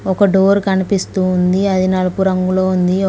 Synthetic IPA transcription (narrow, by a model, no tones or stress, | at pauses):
ɔkɐɖoːɾkɐnipist̪uːnd̪iɐd̪ʱinalukuɾɐŋɡulo̞ːund̪i